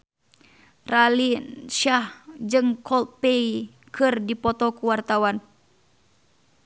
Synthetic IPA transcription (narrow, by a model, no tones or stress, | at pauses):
ralinʃahd͡ʒɨŋkʰɔlt̪̚pej | kʰɨrdipɔt̪ɔkuwart̪awan